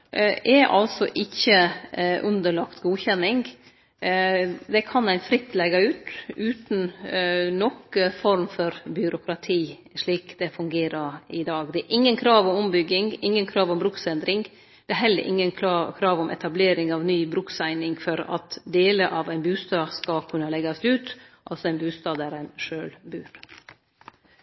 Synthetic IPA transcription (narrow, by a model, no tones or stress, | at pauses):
ʔɛɾʔɑ̰lsɔʔɪçːəʔʉnd̪əɭɑkt̪ɡuːçɛnːɪŋɡ | d̪ɛkʰɑnæɪnfɾɪt̪ːlɛɡɑʉːt̪ʉːt̪n̩ | nɔkfɔɾmfɔɾbʏɾʊkɾɑt̪ʰiː | ʂɭiːkd̪̥ɛfʉŋɡeːɾəɾɪd̪ɑːɡd̪ɛæɾʔɪŋːənkʰɾɑːʋɔmʊmbʏɡɪŋɪŋːənkʰɾɑːʋɔmbɾʉksɛnd̪ɾɪŋ | d̪̥ɛæɾɦɛlːə̰ʔɪ̰ŋːənkʰɾɑːʋɔmʔɛ̰t̪ɑbleːɾɪŋɑʋnyːbɾʉksæɪnɪŋfɔɾɑ̰t̪d̪eːləʔɑʋæɪnbʉːst̪ɑːskɑlkʰʉnːəlɛɡɑsʉːt̪ʔɑ̰lsɔæɪnbʉːst̪ɑːd̪æɾæɪnʂøːlbʉːɾ